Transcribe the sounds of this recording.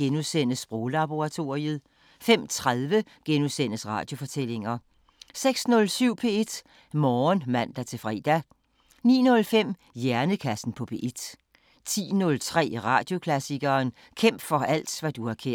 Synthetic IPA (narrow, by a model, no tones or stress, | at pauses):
enuðˠsen̰əsb̥ʁɔːlɑ̈b̥o̝ʁɑ̈t͡sʰo̝ʁiəð̩ˠ | fem̰t͡sʰʁaðˠʋə | ɡ̥enuðˠsen̰əsʁɑ̈ːd̥jo̝fɒ̽t͡sʰel̰e̝ŋɐ | seɡ̥snɔ̽lsyʊ̰pʰe̝e̝d̥ | mɒːnmæn̰d̥æt͡sʰe̝fʁḭːd̥æ | nḭːnɔ̽lfem̰ | jæɐnəkʰæsn̩pʰɒ̽pʰe̝̰ːʔe̝d̥ | t͡sʰḭːnɔ̽lt͡sʰʁɛ̰ːʁɑ̈ːd̥jo̝kʰlæsiɡ̥ɐːn | kʰem̰b̥fɒ̽æl̰d̥ʋæd̥uhɑ̈kʰe